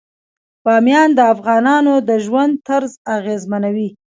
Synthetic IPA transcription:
b̥ɑmjɑnd̪əafɣɑnɑnod̪əʒwand̪̚t̪aɾzaɣezmanawi

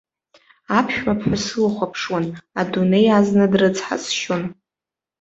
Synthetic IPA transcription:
apʰʃᶣmapʰħʷasɨlχʷapʰʂwanadune̞jaznɨdrɨt͡sʰʼħa̰t͡sʼʃon

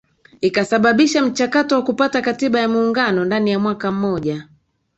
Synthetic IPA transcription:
ikasaɓaɓiʃam̩t͡ʃakatɔwakupatakatiɓajamuːŋɡanɔndanijamwakam̩mɔʄa

